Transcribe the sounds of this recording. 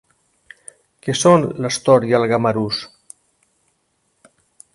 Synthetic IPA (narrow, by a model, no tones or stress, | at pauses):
kesonləst̪oɾjəlɣamaɾus